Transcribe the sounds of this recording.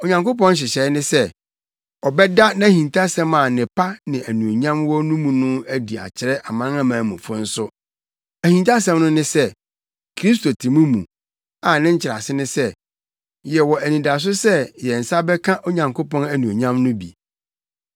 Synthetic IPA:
o˨ɲã˨ŋko˦p̬ɔ̃˦n˦ɕ̬ɪ˨ɕɛ˨˦nɪ̃˦sɛ˦ | ɔ˨bɛ˦da˦nã˦hĩ˨ntʰa˦sɛ̃˦mã˨nɪ̃˨pʰa˦nɪ̃˨æ˨nũ˨o˨ɲã˦mwɔ˦nũ˦mũ˨nʊ̃˦æ˦di˨a̰˨t͡ɕʰɪ˨ɾɛ˦ʔa˨mã˦ã˦mãː˨˦mũ˨fʊ̃˦n̩˦sʊ˦ | æ˨hĩ˨nta˦s̬ɛ̃˦mnʊ̃˦nɪ̃˦sɛ˦˨ | kʰɾi˦s̬to˨tʰĩ˨mũ˦mṵ̃˨ | a˨nɪ̃˦ɲ̩˦t͡ɕʰɪ˨ɾa̰˨sɪ˦nɪ̃˦sɛ˦ | jɛ˨wɔ˨æ˨nĩ˨da˨s̬ʊ˦sɛ˦jɛ˨n̩˨sa˦bɛ˦kʰã˦ʔo˦ɲã˨ŋkʰo˦pɔ̃˦næ˨nũ˨o˨ɲã˦mnʊ̃˦bḭ˨

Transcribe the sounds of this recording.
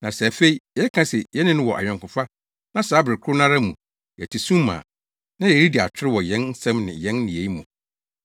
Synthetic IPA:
nã˨sɛ˨fe˦i˦ɛ˨ɛ˦kʰã˦sɛ˨jɛ˦nɪ̃˦nʊ̃˦wɔ˨ʔa̰˨ɲᶣɔ̃˨ŋkʊ̃˨fa˦ | nã˦saː˨˦bɪ˨ɾɪ˨kʰʊ˦nã˦ɾa˦mũ˨ | jɛ˨tʰɪ˨sũ˦mã̰˨ | nã˦jɛ˨ɾi˦di˨a˨tʰɪ˦ɾɪ˦wɔ˨jɛ̃˦n˦sɛ̃˦mnɪ̰̃˨jɛ̃˦nnĩ˨e˨i˦mũ˨

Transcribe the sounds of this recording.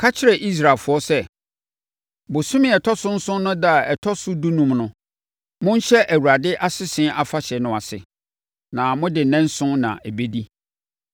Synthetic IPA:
kʰa˦t͡ɕʰɪ˦ɾɛ˨ʔi˦s̬ɾa˨fʊ˨˦ɔ˦sɛ˦ | bʊ˨sʊ̃˦mɪ̃˦ɛ˨tʰɔ˦sʊ̃˦n̩˦sʊ̃˦nʊ̃˦da˦˨ɛ˨tʰɔ˦sʊ˦du˦nũ˨mnʊ̃˦ | mʊ̃˦n˦ɕɛ˦ʔæ˨wu˨ɾa˨dɪ˦ʔa˦sɪ˦sɪ̃˦ʔa˨fa˦ɕɛ˨nʊ̃˨a˨sɪ̰˨ | nã˨mʊ̃˦dɪ˨nɛ̃˦n˦sʊ̃˦nã̰˨ʔæ˨be˦di˦

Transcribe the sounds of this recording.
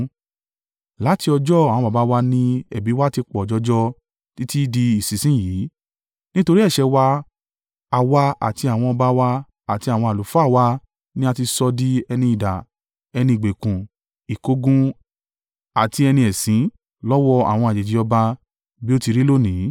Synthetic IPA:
la˨˦ti˧ɔ˧d͡ʒɔ˦a˨w̃ɔ̃˧ba˨ba˨˦wa˧nĩ˧ɛ˨bi˨˦wa˦ti˧k͡pɔ˨d͡ʒɔ˧˦d͡ʒɔ˦ | ti˦ti˦di˧i˨si˨˦sĩ˦ji˨˦ | nĩ˦to˧ɾi˦ɛ˦˨ʃɛ˧wa˧ | a˧wa˧a̰˨ti˧a˨w̃ɔ̃˧ɔ˧ba˧wa˧ | a˨ti˧a˨w̃ɔ̃˧a˨lu˨˦fɔ˦a˦˨wa˧ | nĩ˦a˧ti˧sɔ˧di˧ɛ˧nĩ˧i˨da˨ | ɛ˧nĩ˧i˨ɡ͡be˨kũ˨ | i˨ko˧ɡũ˧ | a˨ti˧ɛ˧nĩ˧ɛ˨sĩ˨˦ | lɔ˦wɔ˧a̰˨w̃ɔ̃˧a˨d͡ʒe˨d͡ʒi˨ɔ˧ba˧ | bi˦o˦ti˧ɾi˦lo˦˨nĩ˨˦

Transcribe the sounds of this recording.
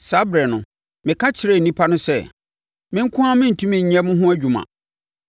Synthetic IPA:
sa˦bɾɛ˨nʊ̃˨ | mɪ̃˨kʰa˦t͡ɕʰɪ˨ɾɛ˦˨n̩˨nĩ˦pʰa˦nʊ̃˦sɛ̰˦˨ | mɪ̃˦ŋ̩˦kʰʊ̃˦ã˦mɪ̃˦n̩˨tʰũ˦mĩ˨ɲ̩˨ɲɛ̃˦mʊ̃˦ɦʊ̃˦æ˦d͡ʑᶣu˨mã̰˨

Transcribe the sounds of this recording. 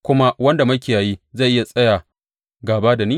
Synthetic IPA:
kʷʊ˦ma˦wɐ˦nda˨mɐ˦kʲeː˨ja˨jiː˦za˦˨ʔɪ˦ja˨sʼɐ˦jaː˨ | ɡaː˨baː˦da˨niː˦

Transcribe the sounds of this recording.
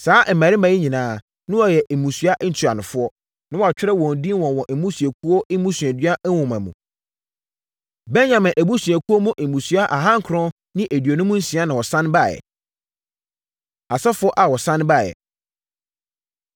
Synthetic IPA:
saː˦ʔ̩˨mæ˨ɾɪ˦mã˨˦i˦ɲĩ˨nãː˨˦ | nʊ̃˦wɔ˨jɛ˨ʔmũ˨sɥa˦ʔn̩˨tʰu˨a̰˨nʊ̃˨fʊ˦ɔ˦ | nã˦wɔ˨a˨t͡ɕᶣɪ˦ɾɛ˦wɔ̃˨n̩˨dĩ˦n˦wɔ̃˨wɔ̃˨ʔmũ˦sɥæ˨kʰu˦ɔ˦ʔɪ˦mũ˦sɥæ˨dɥa˦wʊ̃˨mã˨mṵ̃˨ | bɛ˦nɲã˨mɪ̃˨ʔæ˨bu˦sɥæ˨kʰu˦ɔ˦mũ˦ʔe˨mũ˨sɥa˦ʔa˨ɦã˦ŋ̩˨kʰɾɔ̃˦ | nɪ̃˦ʔe˨dɥo˨nʊ̃˦mũ˦n̩˦sĩ˨˦a˦nã˨wɔ˨sã˦n˦ba˦˨jɛ̰˨ | a˨sɛ˦fʊ˦ɔ˦ʔa˨wɔ˨sã˦n˦ba˦˨jɛ̰˨

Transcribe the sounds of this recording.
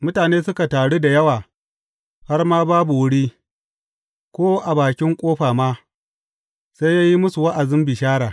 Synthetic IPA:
mʊ˦taː˨neː˦sʊ˦ka˨taː˨ɽe˦da˨jɐ˦waː˨ | ha˦rmaː˦baː˦bu˨wʊ˦ɽiː˦ | kʷoː˦ʔa˨baː˨kʲɪ˦ŋkʷʼoː˦ɸaː˨maː˦ | sa˦jaː˦ji˦mʊ˦su˨wa˦ʔa˨zɪ˦mbɪ˨ʃaː˦ɽaː˨

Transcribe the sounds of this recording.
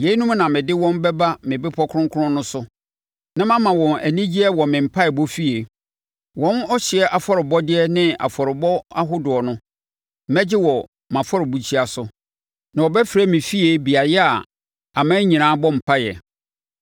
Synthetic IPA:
je˨˦i˦nũ˦m˦nã˨mɪ̃˨dɪ˦wɔ̃˦mbɛ˦ba˦mɪ̃˨bɪ˦pʰɔ˦kʰʊ˦ʊ̃˦ŋkʰʊ˦ʊ̃˦nʊ̃˦sʊ˦ | nã˦mã˦mã˨wɔ̃˨næ˨nĩ˦d͡ʑi˦ɛ˦wɔ˨mɪ̃˨m̩˨pʰa˦ɛ˨bɔ˦fi˦e˨ | wɔ̃˦nɔ˦ɕɪ˨ɛ˦ʔa˨fɔ˦ɾɪ˨bɔ˦dɪ˦ɛ˦nɪ̃˦a̰˨fɔ˨ɾɪ˨bɔ˦a˦ɦʊ˦dʊ˨ɔ˨nʊ̃˦ | mɛ˦d͡ʑɪ˦wɔ˨ | mã˨fɔ˦ɾɪ˨bu˨t͡ɕʰi˦a˨sʊ˦ | nã˨wɔ˨bɛ˦fɾæ˦mɪ̃˨fi˦e˦bi˨a˨jɛ˦a˨ | a˨mã˦ɲĩ˨nãː˨˦bɔ˦m̩˨pʰa˦jɛ̰˨

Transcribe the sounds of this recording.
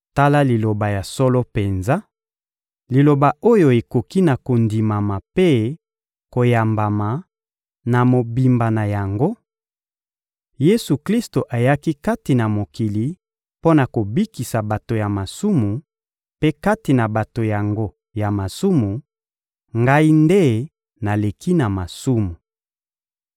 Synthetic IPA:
ta˦la˦li˨lo˨ba˨ja˨so˦lo˦pe˨nza˦ | li˨lo˨ba˨o˦jo˨e˨ko˨ki˦na˨ko˨ndi˨ma˨ma˨pe˦ | ko˨ja˨mba˨ma˨ | na˨mo˨bi˨mba˨na˨ja˨ŋɡo˦ | je˦su˨kli˦sto˨ʔa˨ja˦ki˦ka˦ti˨na˨mo˨ki˨li˨ | po˦na˨ko˨bi˦ki˨sa˨ba˨to˨ja˨ma˨su˦mu˨ | pe˦ka˦ti˨na˨ba˨to˨ja˨ŋɡo˦ | ja˨ma˨su˦mu˨ | ŋɡa˦i˦nde˦ | na˨le˨kʰi˦na˨ma˨su˦mu˨

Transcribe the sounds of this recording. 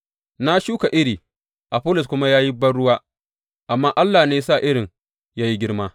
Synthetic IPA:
na˦ʃuː˦ka˨ʔɪ˦ɽiː˨ | ʔa˨ɸʊ˦lʊ˨s̬kʷʊ˦ma˦jaː˦ji˦bɐ˦nɽʊ˦waː˦ | ʔa˨mːaː˦ʔa˦lːaː˨neː˦sa˦˨ʔɪ˦ɽɪ˨ŋ | jaː˦ji˦ɡʲɪ˦ɽmaː˦

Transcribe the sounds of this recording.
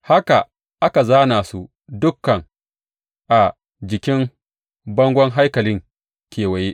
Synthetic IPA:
ha˦ka˨ | ʔa˦ka˨zaː˦naː˨su˦ | dʊ˦kːɐ˨ŋ | ʔa˨ | d͡ʒɪ˨kʲɪ˦m | bɐ˦ŋɡʷɔ˦ŋɦa˦jkɐ˨lɪ˦ŋ | kʲeː˨wɐ˨je˦ʔ

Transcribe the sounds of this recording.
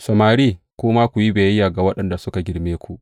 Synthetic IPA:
sɐ˨maː˨ɾiː˦˨ | kʷoː˦maː˦kʷu˨ji˦beː˨˦jaː˨ɡa˨wɐ˦ɗɐ˨nda˨sʊ˦ka˨ɡʲɪ˨ɽmeː˦kʷu˨ʔ

